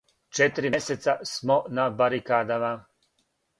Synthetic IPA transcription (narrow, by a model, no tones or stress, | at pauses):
t͡ʃet̪iɾieset̪sasmonabaɾikaːd̪ama